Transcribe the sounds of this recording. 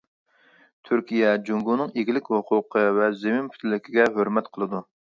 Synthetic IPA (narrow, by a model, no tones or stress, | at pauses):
t̪ʰyɾkʲʰijɛd͡ʒuŋɡunɨŋeɡʲilɪkʲhoqʰʊqʰəvɛzemɪmpʰy̥t̪ʰɪlːɪkʲiɡʲɛɦøɾmɛt̪qʰəlˠɨd̪u